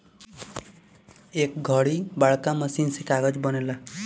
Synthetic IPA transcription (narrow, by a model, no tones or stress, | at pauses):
ek̚ɡʱʌɽibaɭkamʌsinsikaɡʌd͡ʒbʌnela